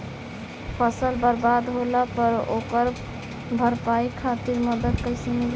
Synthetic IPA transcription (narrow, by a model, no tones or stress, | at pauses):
pʰəsəlbəɾbad̪ɦoləpəɾokəɾ | bʱəɾpaikʰat̪iɾməd̪əd̪kəɪsəmil